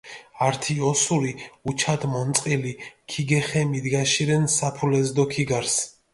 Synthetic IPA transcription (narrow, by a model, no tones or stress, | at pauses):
aɾt̪ʰiɔsuɾiut͡ʃʰad̪mɔnt̪sʼqʼilikʰiɡɛχɛmid̪ɡaʃiɾɛnsapʰulɛzd̪ɔkʰiɡaɾs